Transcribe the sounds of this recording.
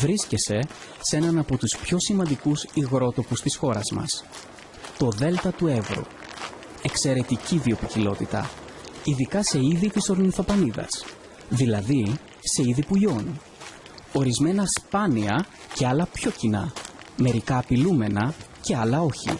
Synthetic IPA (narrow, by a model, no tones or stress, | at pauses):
vɾiscese̞ | se̞nɐnɐpo̞t̪uspço̞simɐnd̪ikusiɣɾo̞t̪o̞pust̪isxo̞ɾɐzmɐ̰s | t̪o̞ðe̞lt̪ɐt̪ue̞vɾṵ | e̞kse̞ɾe̞t̪iciðio̞picilo̞t̪it̪ɐ̰ | iðikɐse̞iðit̪iso̞ɾniθɐpɐniðɐ̰s | ðilɐði | se̞iðipuʎo̞nu | o̞ɾizme̞nɐspɐniɐ | ce̞ɐlɐpço̞cinɐ̰me̞ɾikɐːpilume̞nɐce̞ɐlɐo̞çḭ